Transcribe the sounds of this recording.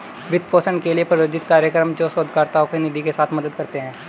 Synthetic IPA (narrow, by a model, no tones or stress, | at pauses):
ʋɪd̪̚poːsəɳkeliepɾɐjoːd͡ʒɪt̪kaːɾjəkɾəmd͡ʒosoːd̪ʱkaːɾt̪aokenɪd̪ʱikesaːt̪ʰmɐd̪əd̪̚kɐɾt̪eɦɛ̃ː